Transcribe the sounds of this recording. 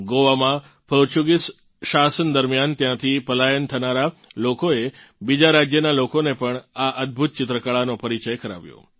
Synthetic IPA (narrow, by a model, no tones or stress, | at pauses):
ɡoʋamã | pʰəɾt͡ʃuɡis | ʃasənd̪əɾmjant̪jãt̪ʰipəlajənt̪ʰənaɾalokoe | bid͡ʒaɾad͡ʒjənalokonepəɳaʔəd̪̚bʱut̪̚t͡ʃɪt̪ɾəkaɭanopəɾit͡ʃəjkəɾa̰ʋjo̰